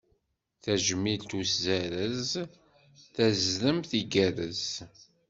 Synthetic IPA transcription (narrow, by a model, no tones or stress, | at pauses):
θæʒəmːilt̪uszæɾəz | θæzðəmθiɡæɾəz